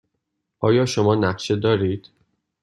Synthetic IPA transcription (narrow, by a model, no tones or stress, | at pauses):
ʔɒːjɒːʃomɒːnæɢʃed̪ɒːɾiːd̪̥